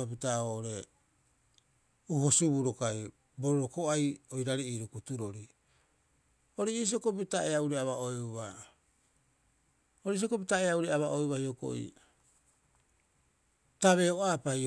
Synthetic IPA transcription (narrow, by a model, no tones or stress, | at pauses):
apitaoʔoɾe̞ | uhosubuɾokaj | boɾoɾokoajojɾaɾiiːɾukutuɾo̞ɾi | oɾeis̬iokobitaʔeauɾeaβaoeβa | oɾes̬iokobitaeauɾeaβaʔoeβahioko̰ḭ | taβe̞oapaj